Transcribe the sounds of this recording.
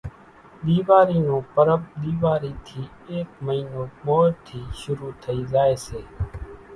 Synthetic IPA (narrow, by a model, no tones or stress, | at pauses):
ɗ̪iːʋaːɾiːnõːpəɾəb̚ɗ̪iːʋaːɾiːt̪ʰiː | eːk̚məiːnoːmoːɾt̪ʰiːʃʊɾuːt̪ʰəiːzaːeːseː